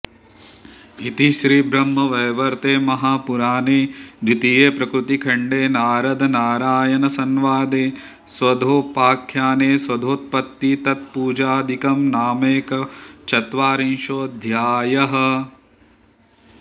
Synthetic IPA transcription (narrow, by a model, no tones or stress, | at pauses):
it̪iʃɾiːbɾɐmːɐʋɐjʋɐɾt̪eːmɐɦaːpuɾaːneːd̪it̪ijeːpɾɐkɾut̪ikʰɐɳɖeːnaːɾɐd̪ɐnaːɾaːjɐnɐsɐnʋaːd̪eː | sʋɐd̪ʱoːpaːkʰːjaːneːsʋɐd̪ʱoːt̪̚pɐt̪ːit̪ɐt̪̚puːd͡ʒaːd̪ʱikɐmnaːmeːkɐt͡ʃɐt̪ʋaːɾinʃoːd̪ʱjaːjɐɦɐ̆